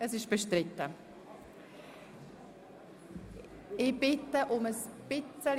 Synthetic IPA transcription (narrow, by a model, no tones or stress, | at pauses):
əsɪʃb̥əʃtrɪtə | ɪb̥ɪtəʔʊməspɪt͡səl